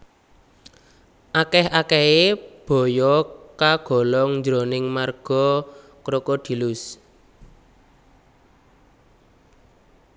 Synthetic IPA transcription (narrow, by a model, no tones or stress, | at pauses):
ʔakɛhakɛheb̥ɔ̤jɔkaɡ̥ɔ̤lɔŋɲd͡ʒɾonɪŋmarɡ̥ɔ̤ | kɾokod̪̥i̤lʊs